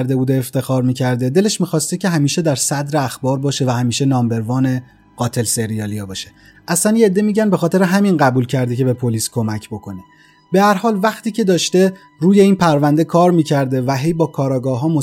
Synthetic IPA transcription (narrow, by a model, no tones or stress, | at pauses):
ɾd̪e̞buːd̪eːft̪e̞xɒːɾmiːcʰæɾd̪e̞d̪e̞leʃmiːxɒːst̪ecʰe̞ɦæmiːʃe̞d̪æɾsæd̪ɾe̞æxbɒːɾbɒːʃe̞væhæmiːʃe̞nɒːmbe̞ɾvɒːne̞ | ɢ̥ɒːt̪ʰe̞lseɾijɒːlijɒːbɒːʃe | ʔæslænjeed̪ːemiːɟænbe̞xɒːt̪ʰeɾeɦæminɢæbuːlcʰæɾd̪ece̞be̞pʰo̞liːskʰo̞mæcʰbo̞kʰo̞ni | be̞hæɾhɒːlvæxt̪iːcʰe̞d̪ɒːʃt̪e̞ | ɾuːje̞iːnpʰæɾvænd̪e̞kʰɒːɾmiːcʰæɾd̪e̞væɦe̞jbɒːkʰɒːɾɒːɡɒːɦɒːmo